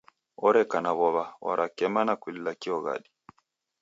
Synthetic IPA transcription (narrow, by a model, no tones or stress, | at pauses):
ɔɾɛkanaβɔβawa̰ɾʔakɛmanakililakiɔɣa̰ɗi